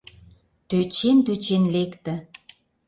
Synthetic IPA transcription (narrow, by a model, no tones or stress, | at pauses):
t̪øt͡ɕent̪øt͡ɕenlekt̪ə̆